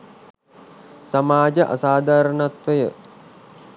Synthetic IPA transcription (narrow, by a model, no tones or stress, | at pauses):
samaːd͡ʒəʔa̰saːd̪aːɾənat̪ʋəjə